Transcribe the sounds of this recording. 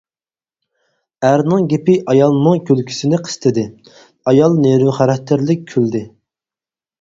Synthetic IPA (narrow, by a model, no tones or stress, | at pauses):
æɾnɨŋɡʲepɪʔɑjɑlˠnɨŋkʲʰølkʲʰy̥sɪnɪqʰə̥st̪ʰɨd̪ɪ | ɑjɑlˠneɾɪχæɾɛk̚t̪ʰːɪɾlɪkʲʰːøld̪ɪ